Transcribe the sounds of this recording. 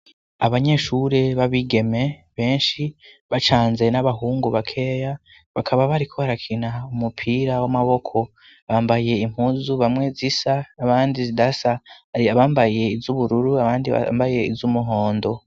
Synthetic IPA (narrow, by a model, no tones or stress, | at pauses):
aβaɲe̞ʃuːɾe̞βaβiːɡe̞me̞βe̞ːnʃi | βat͡ʃaːnze̞naβaɦuːŋɡuβakʰe̞ːja | βakʰaβaβaɾikʰo̞βaɾakʰinaumupʰiːɾawamaβo̞kʰo̞ | βaːmbaje̞im̥huːzuβamwe̞zisaːβaːndizidasaiaβaːmbaje̞izuβuɾuɾuaβaːndia̰mbaje̞ḭzumuɦo̞ːndo̞